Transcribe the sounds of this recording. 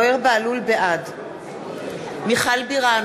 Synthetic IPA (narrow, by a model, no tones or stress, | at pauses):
eʁbaalulbeʔad | miχalbiʁa